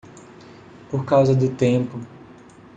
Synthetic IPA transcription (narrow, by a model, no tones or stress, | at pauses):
poɾkawzɐd̪ʊt̪ẽpʊ